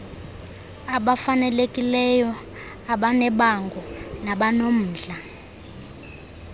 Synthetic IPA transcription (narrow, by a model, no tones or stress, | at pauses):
aɓafanɛlekʼilɛjɔ | aɓanɛɓaŋɡʱɔnaɓanom̩ːɮa